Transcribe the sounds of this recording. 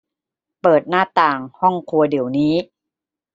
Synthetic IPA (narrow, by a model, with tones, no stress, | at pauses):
pɤː˨˩t̪̚naː˥˩t̪aː˨˩ŋhɔ˥˩ŋkʰu˧ɐdi˩˦wniː˦˥